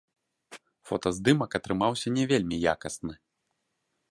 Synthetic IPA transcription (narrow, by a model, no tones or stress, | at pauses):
fɔt̪ɐzd̪ɨmɐkɐt̪ɾɨmawsʲɐnʲɛvʲelʲmʲija̰kɐsnɨ